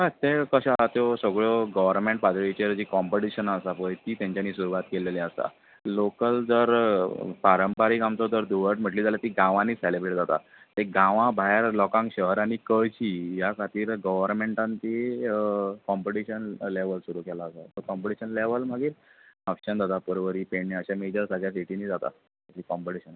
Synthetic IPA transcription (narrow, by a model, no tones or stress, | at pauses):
ɦat̪ekəɕat̪josəɡɭɔɡəʋəɾmẽɳʈ̚pat̪ɭit͡ɕeɾd͡ʑikɔmpəʈiɕənasapəjit̪it̪jãɲt͡ɕjaniːsuɾuʋat̪keleliəsa̰ | lokəld͡zəɾpaɾəmpaɾikamt͡sɔd͡z̪əɾd̪uʋəʈm̤əʈliːd͡zaljat̪iɡãʋãniːselebɾeʈd͡zat̪a̰ | t̪eɡãʋãbʱaɦeɾlɔkãŋkɕəɦəɾaɽ̃ikət͡ɕiːjakʰat̪iːɾɡəʋəɾmeɳʈãnt̪i | kɔmpəʈiɕənleʋəlsuɾukʰɛlaːsat̪əɾkɔmpəʈiɕənleʋəlməɡiːɾəpɕənd͡zat̪apəɾʋəɾiːpeɳiəɕamed͡ʑəɾsaɡɭjas̬iʈiniːd͡zat̪a̰ | ət̪ikɔmpəʈiɕən